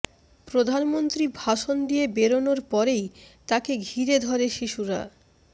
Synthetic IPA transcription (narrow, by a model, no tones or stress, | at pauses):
pɾod̪ʱanmont̪ɾibʱaʃond̪ijebeɾonoɾpɔɾejt̪akeɡʱiɾed̪ʱɔɾeʃiʃuɾa̰